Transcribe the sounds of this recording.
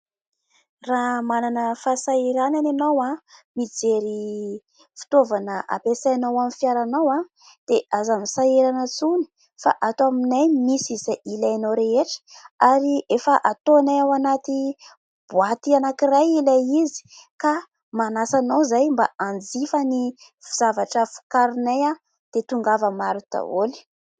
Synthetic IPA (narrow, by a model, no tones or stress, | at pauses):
raɦmananəfasaiɾanananawamid͡zeɾi | fi̥t̪ovanəʔa̰pesajanawamifjaɾanawa | d̪̥eʔazamisaeɾanət͡suni̥ | fa̰ʔat̪oaminajmisizaʔilajnowɾeɦeʈ͡ʂə̥aɾiʔefəʔat̪onajawanat̪i | b̥uat̪ianakiɾajilajizi̥ka | manasanawzajmbaand͡zifəni | viz̥avaʈ͡ʂəfu̥kaɾineja | d̪̥et̪uŋɡavəmaɾut̪a̰oli̥